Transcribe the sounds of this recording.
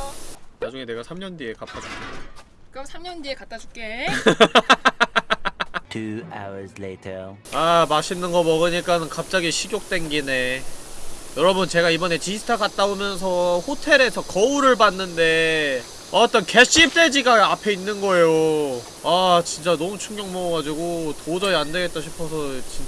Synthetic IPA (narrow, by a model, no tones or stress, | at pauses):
nad͡ʑuŋe̞ne̞ɡasʰamɲʌndie̞kat̚t͈ad͡ʑʰua | kɯsʰamɲʌndiekat͈ad͡ʑuk͈e | tʰua̰wə˞zleɪtʰəamaɕʰinːɯnɡʌmʌɡɯɲik͈anɯnkap̚t͡ɕ͈aɡiɕʰiɡjok̚t͈we̞nɡine̞ | jʌɾʌbɯnt͡ɕe̞ɡaibʌne̞t͡ɕisʰɯ̥tʰakat̚t͈aomjʌnsʰʌɸotʰe̞ɾe̞sʰʌkʌuɾɯɭbanːɯnde̞ | ʌt͈ʌnke̞ɕ͈ip̚t͈e̞d͡ʑiɡaapʰe̞inːɯnɡʌe̞jo | at͡ɕint͡ɕ͈anʌmut͡ɕʰuŋɡjʌŋmʌɡʌɡad͡ʑiɡotod͡ʑʌiandeɡe̞t͈ʌɕʰi̥pʰʌsʰʌt͡ɕi